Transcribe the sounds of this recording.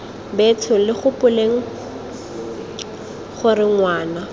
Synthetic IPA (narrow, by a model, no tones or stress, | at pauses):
betʰʊlɪχʊpʊleŋ̩ | χʊrɪŋwaːna